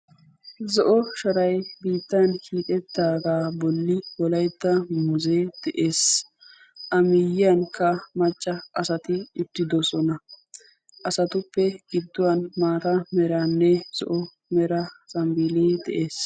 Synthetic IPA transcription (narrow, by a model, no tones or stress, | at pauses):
zɔʔɔʃɐɾɐjbiːt̪ːankiːk̪ʼɛd̪ːaːɡaːbɔlːɪwɔlɐjt̪ːɐmʊzeːd̪̥ɛʔeːs | ʔɐmɪjːɪjɐnkːɐmɐt͡ʃʼːɐɐsɐt̪ɪɪt̪ːɪd̪ɔsɔnɐ | ʔɐsɐt̪ʊpːɛɡ̥ɪd̪ːʊwɐnmaːɾɐmɛɾanːɛz̥ɔ̰ʔɔ | mɛɾɐt͡sʼɐmbiːleːd̪ɛ̰ʔeːs